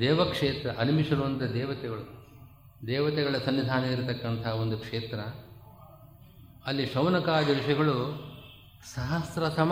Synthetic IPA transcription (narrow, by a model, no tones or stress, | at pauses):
d̪ɛːʋɐkʂeːt̪ɾɐʔɐnimiʂɐɾuʋɐnt̪ɐd̪ɛːʋɐt̪ɛɡɐɭu | d̪ɛːʋɐt̪ɛɡɐɭɐsɐnːid̪ʱaːnɐiɾt̪ɐkːɐnt̪ʰɐɦɐo̞nd̪ukʂeːt̪ɾɐ | ɐlːiʃɐwnɐkaːd̪ɐʋiʃɐɡɐɭu | sɐɦɐst̪ɾɐsɐm